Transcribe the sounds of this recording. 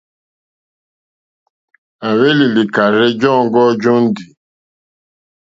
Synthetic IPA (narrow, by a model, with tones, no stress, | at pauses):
a˨we˦li˨li˨ka˨ɾɪ˦d͡ʒɔ˦˨ŋ̩˦ɡɔ˦d͡ʒɔ˦n̩˦di˨